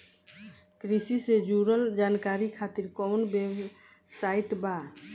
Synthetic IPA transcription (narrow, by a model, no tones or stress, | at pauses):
kɾisised͡ʒuɾəld͡ʒaːnkaːɾikʰaːt̪iɾkɔʊnbeb | saɪʈba